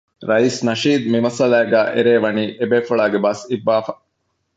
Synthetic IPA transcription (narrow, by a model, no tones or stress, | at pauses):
ɾɐisnɐʃiːd̪mimɐsɐlæːɡæːʔeɾeːʋɐniːʔebeːfɐɭaːɡebɐsibːaːfɐ